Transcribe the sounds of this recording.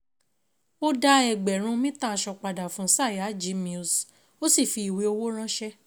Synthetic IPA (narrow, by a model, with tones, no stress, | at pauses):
o˦da˧ɛ˨ɡ͡bɛ˨ɾ̃ũ˨˧˦mĩ˦tã˦˧ʃɔ˧k͡pa˨da˨fũ˨˧˦sa˦˨ja˨˦d͡ʒi˨˧˦mĩ˧u˨˧s | o˦si˦˨fi˧i˨we˨˧o˧wo˦ɾ̃ã˦ʃɛ˦